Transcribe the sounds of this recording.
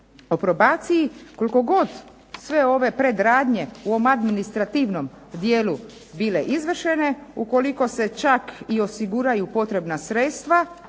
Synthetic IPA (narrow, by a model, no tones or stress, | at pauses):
o̞pɾo̞baːt̪sijiko̞liko̞ɡo̞d̪ | sʋe̞o̞ʋe̞pɾe̞d̪ɾaːd̪ɲe̞uoomad̪minist̪ɾat̪iʋno̞m | d̪jeːlu | bile̞ʔizʋr̩ʃe̞ne̞uko̞liko̞se̞t͡ʃakio̞siɡuɾajupo̞t̪ɾe̞bnasɾet̪st̪ʋa